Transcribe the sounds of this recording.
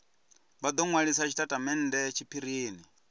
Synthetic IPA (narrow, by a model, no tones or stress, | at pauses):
βad̪ɔŋwaɺisat͡ʃʰitʼatʼamɛn̩dɛt͡ʃʰipʰiɾiːni